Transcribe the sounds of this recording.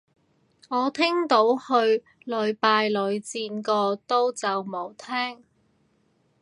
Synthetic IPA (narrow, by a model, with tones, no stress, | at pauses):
ŋɔː˨˧t̪ʰɪ˥ŋt̪o˨˥whɵ˧ɥ | lɵ˨˧ɥpaː˧jlɵ˨˧ɥt͡siː˧nkɔː˧t̪o˥wt͡sɐ˨wmo˨˧wt̪ʰɛː˥ŋ